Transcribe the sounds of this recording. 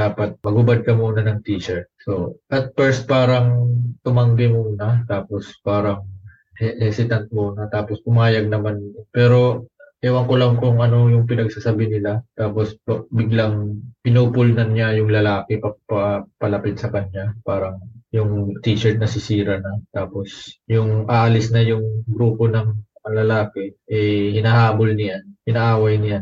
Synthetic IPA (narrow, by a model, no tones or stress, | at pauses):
d̪̥aːpɐt̪̚mɐɡʊbɐd̪̚kɐmuːnɐnɐŋt̪iːʃɛɹt̪̚so̞ʔɐt̪̚fɛɹst̪̚paːɾɐŋt̪ʊmɐŋɡ̪ɪmuːnɐt̪aːpo̞spaːɾɐŋ | hɛhɛsɪt̪ɐnt̪̚muːnɐt̪aːposkʊmaːjɐɡ̚nɐmanpɛːɾo̞hɛwɐŋkolɐŋkʊŋʔɐno̞jʊŋpɪnɐɡ̚sasɐbɪnɪlat̪aːpo̞spɐbɪɡlaŋpɪnuːpʊlnɐnɲajʊŋlɐlaːkɛpɐpɐpɐlɐpɪt̪̚sɐkɐɲapaːɾɐŋjʊŋt̪iːt͡ʃɛɹt̪̚nɐsɪsiːɾɐnɐt̪aːpo̞sjʊŋʔaʔɐlɪsnɐjʊŋɡɾuːpo̞nɐŋ | ɐlɐlaːkɛʔɛhɪnɐhaːbolnɪjanhɪnɐʔaːwɐjnɪjan